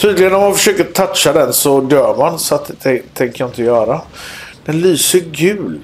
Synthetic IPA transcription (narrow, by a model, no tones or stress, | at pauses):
t̪ʰyːd̪lɪɡənɔmːanfəʂøːkəɾt̪ʰat̪ʂad̪ɛnsɔd̪œːɾmansɔat̪ɛt̪ʰɛŋkəjaɪnt̪əjœːɾad̪̥ɛnlyːsəɾɡʉ̟ːl